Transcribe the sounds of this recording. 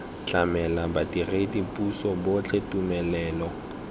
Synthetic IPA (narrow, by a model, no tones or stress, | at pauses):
t͡ɬamɛlabadiredipʼusɔbot͡ɬʰetʼumɛlɛːlɔ